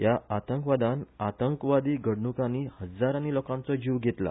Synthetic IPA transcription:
jaat̪əŋkʋad̪anat̪əŋkʋad̪iːɡəɽɳukanihəd͡zaɾanilɔkãnt͡sɔd͡ʑiʋɡʱet̪la̰

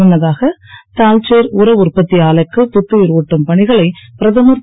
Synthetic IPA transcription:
ʊɳːɐðaːɣɐt̪aːlt͡ʃeːɾʊɾɐʋʊrpɐt̪ːɪjaːlɐkːɯpʊt̪ːɯɪɾɯʋʊʈːɐmpɐɳɪɣɐɭɐɪpɪɾɐðɐmɯr

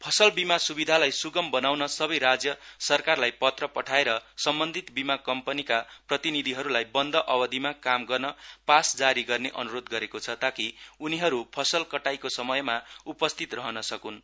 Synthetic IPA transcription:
pʰʌsʌlbimasubid̪ʱalajsuɡʌmbʌnawnʌsʌbʌjɾad͡zjʌsʌrkarlajpʌt̪rʌpʌʈʰaeɾʌsʌmbʌnd̪ʱit̪bimakʌmpʌnikaprʌt̪inid̪ʱiɦʌɾulajbʌnd̪ʱʌʔʌbʌd̪ʱimakamɡʌrnʌpasd͡zaɾiɡʌrneʔʌnuɾod̪ɡʌɾekot͡sʰʌt̪akiuniɦʌɾupʰʌsʌlkʌʈajkosʌmʌjmaupʌst̪ʰit̪rʌɦʌnʌsʌkun

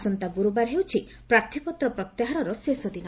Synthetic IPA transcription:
sɔnt̪aɡuɾubaɾɦewt͡ʃʰi | pɾaɾt̪ʰipɔt̪ɾɔpɾɔt̪jaɦaɾɔɾɔsesɔd̪inɔ

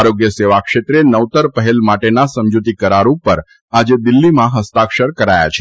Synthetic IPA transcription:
aɾoɡjəseʋakʃet̪ɾenəʋt̪əɾpəɦelmaʈenasəmd͡ʒut̪ikəɾaɾũpəɾ | ad͡ʒed̪ɪlːimãɦəst̪akʃəɾkəɾaja̰t͡ʃʰe

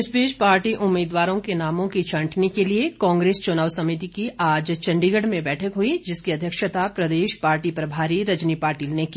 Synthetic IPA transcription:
ɪsbiːd͡ʒpaːɾʈiʔʊmːiːd̪ʋaːɾõkenaːmõkit͡ʃʰɐ̃ːʈʰnikeliekãːŋɡɾeːst͡ʃʊnaːʋsɐmɪt̪̬ikiʔaːd͡ʒt͡ʃɐ̃ɳɖiɡəɖmẽbɛːʈʰəkɦuid͡ʒɪskiɐd̪ʱjəkʃət̪apɾɐd̪eːʃpaːɾʈipɐɾbʱaːɾiɾɐd͡ʒnipaːɾʈiːlneki

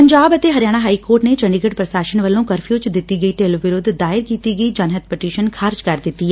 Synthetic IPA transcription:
pəɲd͡ʒaːbət̪eɦəɾjaːɽ̃aːɦaːiːkoːɾʈnet͡ʃəɳɖɪɡəʈpɾəsaːʃənʋəlːõːkəɾpʰjuːt͡ʃd̪ɪt̪ːiːɡəiʈeːlʋɪɾʊd̪ʱd̪aːɪɾkiːt̪iːɡəid͡ʒaːnɦət̪̚pɛʈiːʃənkʰaːɾd͡ʒkəɾd̪ɪt̪ːiː

